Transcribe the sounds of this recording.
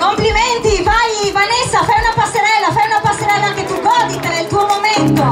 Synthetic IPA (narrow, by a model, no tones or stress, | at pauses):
kompliment̪ivajvanesːafajunapasːeɾɛlːafajunapasːeɾɛlːaaŋket̪ːuɡɔːd̪ikanelt̪uːomoment̪o